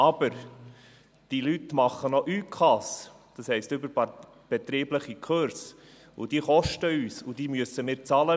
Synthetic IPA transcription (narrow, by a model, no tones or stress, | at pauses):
ɑb̥əɾ | d̥ilytmɑχənɔʔyːkʰɑs | d̥ɑshɛɪstʏbəɾ | b̥ɛt̪ɾiːbləχikʰøɾs | ʊ̰d̥iːχɔʃtəyːsʊd̥iːmyəsəmɪːɾt͡sɑːlə